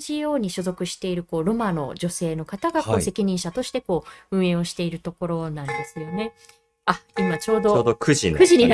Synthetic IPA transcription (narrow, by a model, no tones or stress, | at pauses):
ʑioːɲ̟iɕozo̞kɯ̟ɕi̥t̪e̞iɾɯ̟ko̞ːɾo̞mano̞̰d͡ʑo̞se̞ːno̞kat̪aɡako̞ːse̞kʲiɲ̟ĩɰ̃ɕat̪o̞ɕi̥t̪e̞ko̞ːɯ̟̃ɰ̃ẽ̞o̞ɕi̥t̪e̞iɾɯ̟t̪o̞ko̞ɾo̞nãnd̪e̞sɨjo̞ne̞ | aimat͡ɕo̞ːd̪ooːd̪okɯʑikɯ̟ʑiɲ̟i